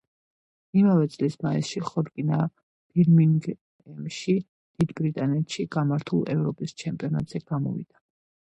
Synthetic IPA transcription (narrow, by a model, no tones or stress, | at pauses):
imavɛt̪sʼlismaḭsʃiχɔɾkʼina | b̥iɾmiŋɡ | ɛmʃi | d̪̥id̪bɾit̪ʼanɛt̪ʃiɡ̥amaɾt̪ʰulˠɛvɾɔpʼist͡ʃʰɛmpʼiɔnat̪ʼz̥ɛɡ̥amɔ̰vḭd̪̥a